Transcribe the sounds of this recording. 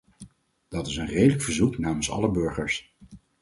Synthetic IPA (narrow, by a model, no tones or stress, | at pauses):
d̥ɑtɪsənrejdələkfəɹzuknaːmənsɑ̰ləbɵɹχəɹs